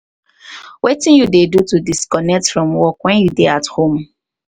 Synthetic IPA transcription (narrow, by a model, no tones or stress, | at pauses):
wetɪ̃njudedutudiskɔnɛk̚tfɹɔ̃mwɔkwɛ̃njudeathõm